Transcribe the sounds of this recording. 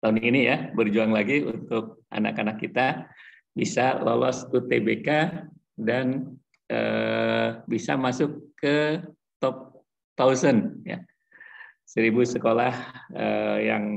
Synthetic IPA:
t̪auninijabərd͡ʒuaŋlaɡiṵnt̪ʊk̚ʔa̰na̰kanakːit̪a | bisalolɔst̪ut̪ebeka | dan | ə̰ | bisa̰masʊkːə | t̪ɔp̚ | t̪ausənja̰ | səɾibusəkolahəja̰ŋ

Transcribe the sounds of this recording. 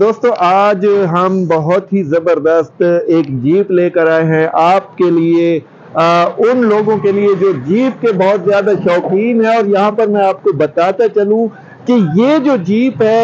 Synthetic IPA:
d̪oːst̪õʔaːd͡ʒɦɐmbɐɦʊt̪ɦizɐbəɾd̪əst̪eːkd͡ʒiːpleːkɐɾaːeɦɛ̃ʔaːp̚kelie | ʊnloːɡõkelied͡ʒoːd͡ʒiːp̚kebɐɦʊt̪zjaːd̪aʃɔːkiːnɦɛ̃ɔːɾjɐɦãpɐɾmɛ̃aːp̚kobɐt̪aːt̪at͡ʃɐlũ | kejeːd͡ʒoːd͡ʒiːpɦɛ

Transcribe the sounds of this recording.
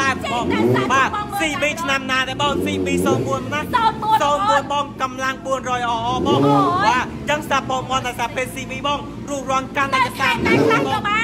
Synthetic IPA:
aɛp̚ɓɔːŋɓaːsiːɓiːt͡ɕʰnamnaːɗaɓɑːŋsiːɓiːsoːnɓuənmnasoːnɓuənɓɑːŋkɑmlaŋɓuənrɔːjʔɑːʔɑːɓɔːŋɓaːt | t͡ɕəŋsap̚ʰːoːmŏənɗaɛsaːpʰeːt̚siːɓiːɓɔːŋ | ruəhrŏənkanɗəjkasʰaːɗaːlaːŋɓɔːŋ

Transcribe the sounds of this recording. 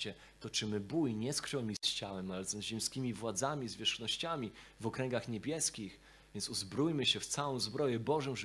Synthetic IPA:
ɛ | t̪ɔt͡ʂɘmɘbujɲɛskʂɛwmʲist͡ɕawɛmalɛzɔ̃zʑɛmskʲimʲivwad̪zamʲizvʲjɛʂxnɔɕt͡ɕamʲivɔkɾɛŋɡaxɲebʲjɛskʲix | vʲjɛntsuzbɾujmɘɕɛft̪sawɔ̃w̃zbɾɔjɛbɔʐɔmʐ

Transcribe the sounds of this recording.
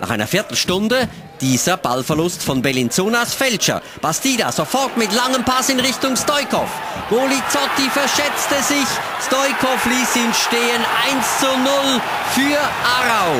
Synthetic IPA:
nʔa̰χʔaɪnɐ̰fɪːɐtl̩ʃtʊndə | d̥iːzɐb̥a̰lfɛɐlʊstfɔnbɛlint͡soːnasfɛlt͡ʃɐ̰ | b̥astiːda̰z̥ofɔʁtmɪtlaŋəmpʰasɪnʁɪçtʊŋstɔʏkɔ̰f | ɡ̥oːlit͡sɔtifɛɐʃɛt͡stəzɪç | stɔʏkʰɔfliːsɪnʃteːənʔaɪnst͡sunʊl | fyːɐʔaʁaʊ

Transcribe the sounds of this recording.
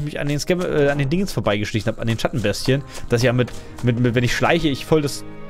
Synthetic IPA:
ɪçmɪça̰ndeːnskɛmʔɛːandeːndɪŋəsfoːɐbaɪɡəʃlɪçn̩hapandeːnʃatn̩bɛstçənd̥asjaːmɪt | mɪtmɪtvɛnɪçʃla̰ɪçəɪçfɔldas

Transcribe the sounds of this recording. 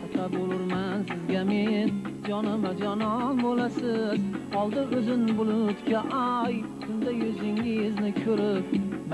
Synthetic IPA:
ɪt̪ʰaɾbolˠʊɾmansɪzɡʲamend͡ʒɒnɪmad͡ʒɒnɒmbolasɪzɒlˠd̪ɪɵzɪnbʊlˠʊt̪kʲaʔaj | kʰʊnd̪ajɵzɪŋɪznɪkʲʰɵɾɪp̚

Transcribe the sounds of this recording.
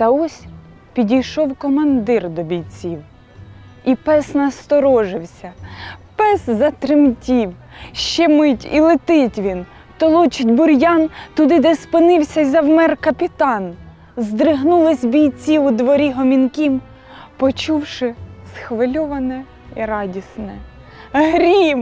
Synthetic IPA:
t̪ɐɔsʲ | pʲidʲijʃɔwkɔmɐnd̪ɪrd̪ɔbʲijt͡sʲiw | ipɛsnɐst̪ɔɾɔʒɪwsʲɐpɛszɐt̪ɾɪmtʲiw | ʃt͡ʃɛmɪtʲḭlˠɪt̪ɪtʲʋʲin | t̪ɔlˠɔt͡ʃɪtʲbʊɾʲjɑnt̪ʊd̪ɪd̪espɪnɪwsʲɐizɐwmɛrkɐpʲɪt̪ɑn | zd̪ɾɪɦnulˠɪsʲbʲijt͡sʲiud̪ʋɔɾʲiɦɔmʲinkʲim | pɔt͡ʃuwʃɪsxʋɪlʲɔʋɐnɛ | iɾɑdʲisnɛ | ɦɾʲim

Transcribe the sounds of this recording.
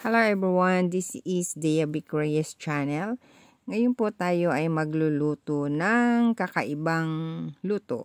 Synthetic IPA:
hɛlowɛbɹiwand̪isɪsd̪ɛjabikɹiɛst͡ʃanɛl | ŋɐjʊnpʊt̪aːjo̞ʔɐjmɐɡlʊluːt̪onɐŋkɐkɐʔɪbaŋluːt̪o̰

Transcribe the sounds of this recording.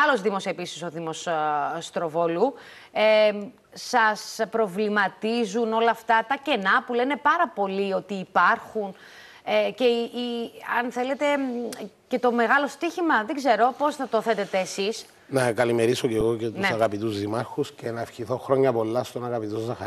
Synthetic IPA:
ɐlo̞zðimo̞se̞pisi̥so̞ðimo̞sst̪ɾo̞volu | e | sɐspɾo̞vlimɐt̪izuno̞lɐːft̪ɐt̪ɐce̞nɐpule̞ne̞pɐɾɐpo̞lio̞t̪iːpɐɾxun | ece̞iɐnθe̞le̞t̪e̞ | ce̞t̪o̞me̞ɣɐlo̞st̪içimɐðe̞ɡze̞ɾo̞po̞znɐt̪oθe̞t̪et̪e̞ːsis | nɐkɐlimeɾisoceɣo̞cet̪unsɐɣɐpit̪uzðimɐɾxusce̞nɐefçiθo̞xɾo̞ɲːɐpo̞lːɐst̪onɐɣɐpit̪ozːɐxɐɾ

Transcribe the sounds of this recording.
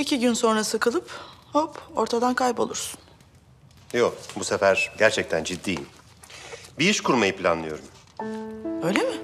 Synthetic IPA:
icʰiɟynso̞nɾasɯkʰɯlˠɯphopo̞ɾt̪ʰad̪ankʰajpo̞lˠuɾsu̥n | jokbusefæɾ̥ɟæɾt͡ʃʰɛc̚t̪ʰænd͡ʒid̪ːiːjḭn | biiʃkʰuɾmajɯpʰlʲa̰nlˠɯjo̞ɾum | øjlʲemɪ

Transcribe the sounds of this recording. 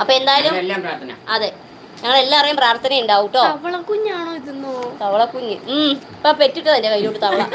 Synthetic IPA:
ɐpːoːe̞nd̪aːjɐlumlːapraːɾt̪ʰɐnɐɐðɨ | ɲɐŋːɐɭe̞lːaːɐrɐjumpraːrt̪ʰɐnɐmuɳɖaːwuʈːo̞ːɐʋɐɭɐkuɲːaːɳoːiðunːut̪ɐʋɐɭɐkuɲːɨ | pːɐpe̞tːuʈːɨt̪ɐndekɐjiɾioːʈːɨt̪ɐʋɐɭɐ

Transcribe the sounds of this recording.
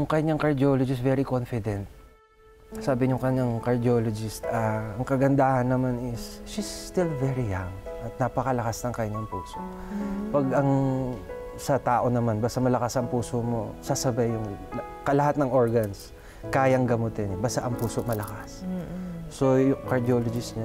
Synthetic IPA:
jʊŋkɐɲaŋkɐɹd̪ɪoːlod͡ʒɪst̪vɛɾɪkonfɪd̪ɛnt̪̚ | saːbɪɲʊŋkɐɲaŋkɐɹd̪ɪolod͡ʒɪst̪aɐŋkɐɡɐnd̪aːhɐnːɐmanɪsʃist̪ɪlvɛɹɪjaŋʔɐt̪̚nɐpɐkɐlɐkasnɐŋkɐɲaŋpuːso̞ʔ | pɐɡɐŋ | sɐt̪aːʔo̞nɐmanbaːst̪ɐmɐlɐkasɐŋpuːsomo̞sasɐbajːʊŋl | kɐlɐhat̪nɐŋʔoɹɡɐns | kaːjɐŋɡɐmot̪ɛnɛbaːst̪aʔɐŋpuːsoʔmɐlɐkasː | ojʊŋkɐɹd̪ɪoːlod͡ʒɪst̪ɲa

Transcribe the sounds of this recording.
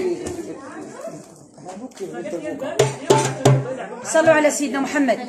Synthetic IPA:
sˤɑlːuʕalæsəjːəd̪næmʊħamːəd̪̚

